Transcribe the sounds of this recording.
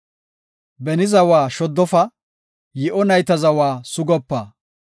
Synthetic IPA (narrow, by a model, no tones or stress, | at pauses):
bɛnɪzɐwaːʃɔd̪ːɔfɐ | jɪʔɔnɐjt̪ɐzɐwaːsʊɡɔpːaː